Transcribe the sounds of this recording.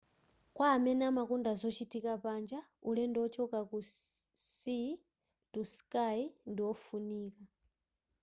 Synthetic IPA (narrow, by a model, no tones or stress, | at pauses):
kwaːmɛnɛamakundazɔt͡ʃitikapand͡ʒaulɛndɔt͡ʃɔkakusi | tuskaindiwɔfuniːka